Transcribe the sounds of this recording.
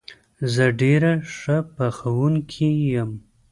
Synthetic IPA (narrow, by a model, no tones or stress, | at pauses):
zəɖeɾaʂəpaxawuŋkʰijəm